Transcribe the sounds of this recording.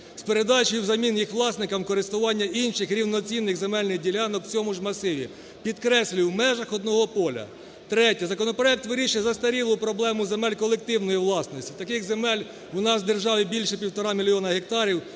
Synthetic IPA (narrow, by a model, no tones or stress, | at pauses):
spe̞ɾed̪ɑt͡ʃɪjiwzɐmʲinjixʋlˠɑsnɪkɐmkɔɾɪst̪ʊʋɑnʲːɐinʃɪxɾʲiwnɔt͡sʲinːɪɣzemɛlʲnɪxdʲilʲɑnɔkwt͡sʲɔmʊʒmɐsɪʋʲḭ | pʲid̪kɾɛsʲlʲiwmɛʒɐxɔd̪̚nɔɦɔpɔlʲɐ̰ | t̪ɾɛtʲizɐkɔnɔpɾɔɛk̚t̪ʋɪɾʲiʃɪjzɐst̪ɐɾʲilˠʊpɾɔblˠɛmʊzemɛlʲkɔlˠek̚t̪ɪwnɔjiwlˠɑsnɔsʲtʲi̥t̪ɐkɪɣzemɛlʲ | wʊnɑzd̪erʒɑʋɪbʲilʲʃɛpʲiwt̪ɔɾɑmʲilʲijɔnɐɦek̚t̪ɑɾʲiw